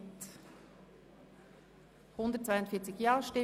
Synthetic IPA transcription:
t̪ | hʊnd̪ət̚t͡svaɪʊntfiːɐt͡sɪçjɑːʃtɪ

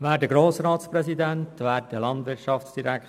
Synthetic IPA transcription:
ʋæːɾdəɡɾoːsɾɑːtspɾɛsidæntʋæːɾdəlɑndʋɪɾʃɑfsd̥iɾæk

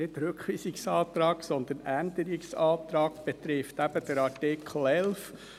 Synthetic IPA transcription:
ɪtɾøkʋiːsiksɑːt̪ɾɑːksɔnd̪ənænd̪əɾiksɑːt̪ɾɑːkb̥ɛt̪ɾɪft̪æb̥əd̥əɾɑtɪkʰl̩ɛlf

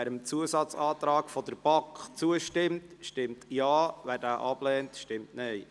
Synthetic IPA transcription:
æɾəmt͡suəsɑt͡sɑːt̪ɾɑːkfɔd̥əɾb̥ɑŋkχt͡suəʃtɪmtʃtɪmtjɑːʋæːɾdæːʔɑb̥lɛːntʃtɪmtnɛɪ

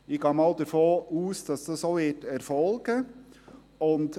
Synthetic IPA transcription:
ɪɡ̥ɑːmɑld̥̪əɾfoːʔuːsd̥ɑsd̥ɑsoːʋɪtɛɾfɔlɡ̥ə | ʊnt

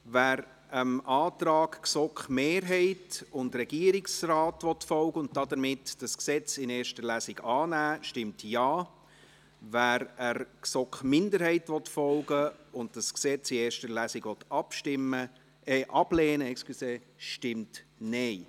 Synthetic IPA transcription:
væːɾ | əmʔɑːt̪ɾɑːkksɔkχmeːɾɦɛɪtʊndrɛɡ̥iəɾɪksraːtʋɔtfɔlɡəʊntdɑdəɾmɪtd̥ɑsksɛt͡sɪneːɾʃtəɾlæsɪɡɑːnæːʃtɪmtjɑː | væɾəɾksɔkχmɪndəɾhɛɪtʋɔtfɔlɡəʊndd̥ɑsksɛt͡sɪeːɾʃtəɾlæsɪɡʋɔtɑpʃtɪmːə | ɛʔɑb̥lɛːnəɛkskluseː | ʃtɪmtnɛɪ

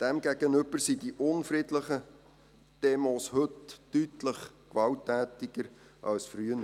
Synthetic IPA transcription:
d̥ɛmɡæɡənɵbəɾsidiʔʊnfrɪdləχə | d̥emoːshɵtːytləχ | kʋɑltːæːtɪɡ̥əɾ | ʔɑ̰lsfryənə

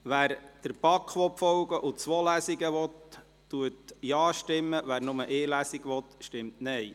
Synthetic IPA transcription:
ʋæːɾd̥əɾbɑkχʋɔpfɔwɡəʔʊt͡sʋoːlæsiɡəʋɔtː | uətjɑːʃtɪmːəʋæːɾnʊməʔeːlæsiɡʋɔt̪ʃtɪmtnɛj

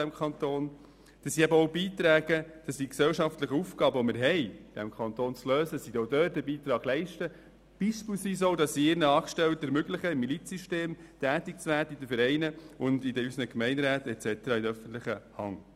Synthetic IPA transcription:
æmkʰɑnt̪oːn | d̥ɑsːiæbəɔʊbiːt̪ɾæːɡ̥əd̥ɑsːiksɛlʃɑftlɪχəufɡɑːbəɔmɪɾɦɛɪd̥ɛmkʰɑnt̪oːnt͡sløːsəsidɔdøːt̚dəbiːt̪ɾɑːɡ̥lɛɪʃtə | b̥iʃplsis̬owdɑsːiɪɾnəɑːkʃtɛlt̪əɾmʏɡlɪχəɪmːilit͡siʃteːmtæːtɪk̚t͡sʋæːdəidəfəɾɛɪnəʊndidəysnəkmɛɪndɾæːtɛt͡sɛtəɾɑːɪdəœfən̩t̪lɪχəhɑ̰ŋ

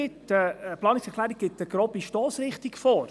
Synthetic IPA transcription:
ɪtəplɑːnɪksɛkʰlæːɾik̚ɡ̥ɪtəɡ̥ɾɔbiʃtɔːsɾɪχtikfoːɾ

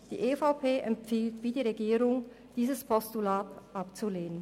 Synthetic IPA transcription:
d̥ḭːʔefaʊpʰeːʔɛmfiːltv̥iːdiːʁeɡiːʁʊŋ | d̥iːzəspʰɔstulaːtʔapt͡suleːnən

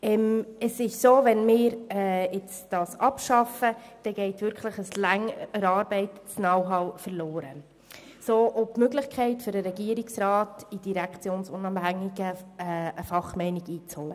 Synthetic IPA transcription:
ɛməsɪʃsoːvɛnmɪːɾɛɪt͡sd̥ɑːsʔɑpʃɑfəd̥ɛɡ̥ɛɪtvʏɾkʰləχəslæŋəɾɑːɾbɛɪtt͡snɑwɦɑʊfəɾloːɾə | soːʔɔtmøɡlɪχkʰɛɪtfʏɾəɾɛɡiːɾiksɾɑːtid̥iɾækt͡sjoːnsʊnɑːmhæŋiɡəəfɑχmɛɪniɡiːt͡shɔlə

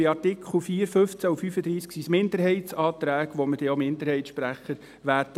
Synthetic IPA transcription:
ɪɑɾtɪkʰχl̩fiːəɾfɵft͡sæufyfəd̪ɾiːsksismɪnd̪əɾɦɛɪtt͡sɑːt̪ɾæːɡʋoməd̥ɛomɪnd̪əɾhɛɪtʃpɾæχːəɾ | ʋæːɾd

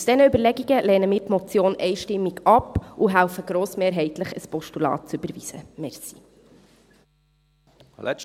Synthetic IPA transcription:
usd̥ɛnəybəɾlɛɡiɡəlɛːnəmiːɾtmɔt͡sjoːnʔɛjʃtɪmːiɡɑpuɦæʊfəɡɾoːsmeːɾɦɛɪt̪ləχəspɔʃtulɑ̰ːt̚t͡sybəɾviz̥əmɛɾsi̥

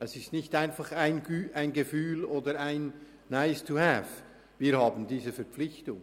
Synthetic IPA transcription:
ɛsɪstnɪçtaɪnfɑχaɪnɡyːaɪnɡəfyːloːdəɾaɪnː | aɪstuhɛf | viːɐɾhɑːbən̩diːzəfɛɐpp͡flɪçtʊŋ

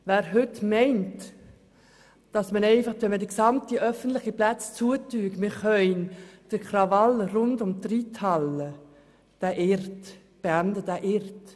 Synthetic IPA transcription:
væːɾɦʏtmɛɪnt | d̥ɑsmənɛɪfɑχʋɛmədəksɑmtiʔœfəntlɪχiplæt͡st͡suətyːɡmɪɾχœʏnd̥əɾkʰrɑvɑləɾʊndʊmt̪ritʰhɑlə | d̥æʔɪɾt | b̥eændədæʔɪɾt

